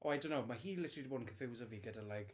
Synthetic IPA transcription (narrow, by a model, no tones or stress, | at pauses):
ʔo̰ajdõnːowmaɦiːlɪtʰə̥rlidiboːdən̩kʰəfɪwzəviːɡədəlajɡ̥